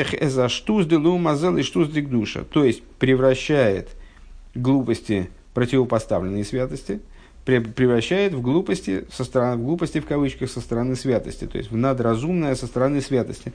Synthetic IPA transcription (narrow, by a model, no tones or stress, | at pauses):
xʲɛzɐʂt̪usd̪ɨlˠumɐzɛlˠɪʂt̪uzd̪ʲɪɡ̚d̪uʂə̰t̪ojɪsʲtʲpɾʲɪvrɐɕːæjɪ̰t̪ | ɡlˠupəsʲtʲɪ | pɾətʲɪvəpɐst̪a̰vlʲɪnːɨjəsvʲat̪əsʲtʲɪ | pʲɪpɾʲɪvɾɐɕːæjɪt̪vɡlˠupəsʲtʲɪ̰səst̪əɾɐvɡlˠupəsʲtʲɪfkɐvɨt͡ɕkəxsəst̪əɾɐnɨsvʲat̪ə̰sʲtʲɪ̥t̪o̞̰ɪ̰sʲtʲvnəd̪ɾɐzumnəjəsəst̪əɾɐnɨsvʲat̪əsʲtʲɪ